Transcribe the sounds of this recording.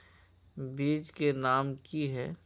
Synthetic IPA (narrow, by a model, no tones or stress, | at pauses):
biːd͡ʒkenaːmkiɦɛː